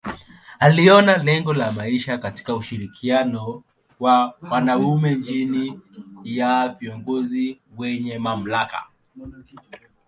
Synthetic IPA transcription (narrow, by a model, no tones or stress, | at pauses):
aliɔnalɛŋɡɔlamaiʃakati̥kauʃiɾikʰianɔ | wawanaumɛɲd͡ʒinijaviɔŋɡɔziwɛɲɛmam̩laka̰